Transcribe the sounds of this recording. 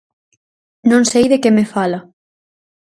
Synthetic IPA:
nõŋsejðekemefalɐ

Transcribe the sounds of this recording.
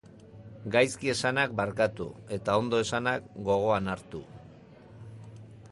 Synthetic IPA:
ɡajskie̞sanak̚baɾkat̪ṵe̞t̪ao̞nd̪o̞e̞sanakɡo̞ɣ̞o̞anaɾt̪u

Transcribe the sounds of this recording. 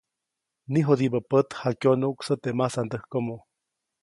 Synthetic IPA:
niɦod̪ibəpət̪hakjonuʔuksət̪emasand̪əhkomo

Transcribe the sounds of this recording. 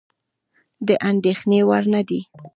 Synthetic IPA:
d̪əʔand̪exnewaɾnad̪i

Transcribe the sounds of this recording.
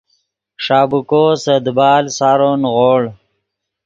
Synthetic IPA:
ʂɑːbukosəd̪bɑːlsaɾonɣoːɭ

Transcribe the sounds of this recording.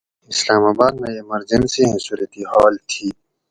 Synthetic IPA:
ɪslaːmaːbaːd̪nɐiemɐɾd͡ʒɐnsiɦẽsuːɾət̪ihaːlt̪ʰiː

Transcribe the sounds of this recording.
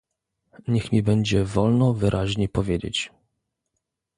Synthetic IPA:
ɲɛxmʲibɛɲd͡ʑɛvɔlnɔvɘɾʔaʑɲepɔvʲjed͡ʑḛt͡ɕ

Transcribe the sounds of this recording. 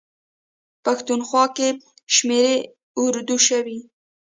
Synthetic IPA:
paxt̪unxwɑke | ʃmeɾe | ʊɾd̪uʃawi

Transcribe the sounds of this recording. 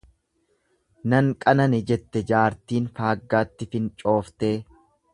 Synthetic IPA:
nɐŋkʼɐnɐnɪd͡ʒɛt̪ːɛd͡ʒaːɾt̪iːnfaːɡːaːt̪ːɪfɪnt͡ʃʼo̞ːft̪eː

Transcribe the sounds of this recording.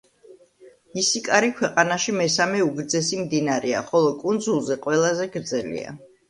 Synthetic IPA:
isikʼaɾikʰwɛqʼanaʃimɛsamɛuɡɾd̪zɛsimd̪inaɾɛa̰χɔlˠɔkʼund̪zulˠzɛqʼwɛlˠazɛɡɾd̪zɛlḭa̰

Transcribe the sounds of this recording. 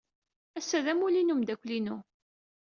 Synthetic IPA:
æsːæðæmulinumd̪ækʷlinu

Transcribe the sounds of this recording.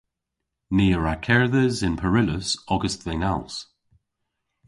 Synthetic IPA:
niːəɹakʰɛɹðəzɪnpʰəɹɪləsɔɡəst̪ðɛŋalˠs

